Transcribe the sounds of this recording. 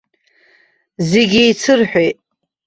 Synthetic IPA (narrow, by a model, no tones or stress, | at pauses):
zeɡʲijt͡sʰɨrħʷᶣejtʼ